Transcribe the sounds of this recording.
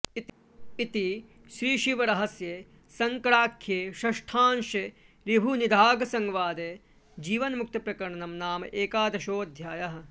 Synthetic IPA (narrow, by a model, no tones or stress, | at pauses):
it̪i | ʃɾiːʃiʋɐɾɐɦɐsjeː | sɐŋkɐɽaːkʰjeːʃɐʂʈʰaːnʃe | ɾibʱunid̪ʱaːɡɐsɐŋʋaːd̪eː | d͡ʒiːʋɐnmuk̚t̪ɐpɾɐkɐɾɳɐnɐmnaːmɐ̰ʔeːkaːd̪ɐʃoːɐd̪ʱjaːjɐɦɐ̆